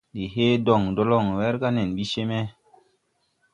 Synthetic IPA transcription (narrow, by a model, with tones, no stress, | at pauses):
di˨ɦe˦dɔ˨ŋdo˦lɔ˦˨ŋwɛ˦ɾka˦nɛ˨nɓi˦ʃe˦me˦